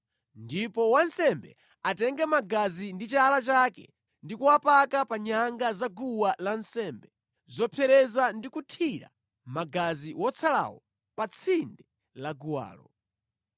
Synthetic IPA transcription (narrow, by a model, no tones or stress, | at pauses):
ndipɔwansɛmbɛ̰ | atɛŋɡɛmaɡazindit͡ʃalat͡ʃakɛ̰ | ndikuwapakapaɲaŋɡazaɡuwalansɛmbɛ | zɔpʰɛɾɛzandikutʰiɾa̰ | maɡaziwɔt͡sʰala̰wɔ̰ | pat͡sʰindɛ | laɡuwa̰ːlɔ